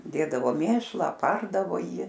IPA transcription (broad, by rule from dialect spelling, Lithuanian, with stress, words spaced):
ˈdʲeːdɐʋoː ˈmʲeːʃlˠɑː ɐˈpɐrdɐʋoː ˈjiː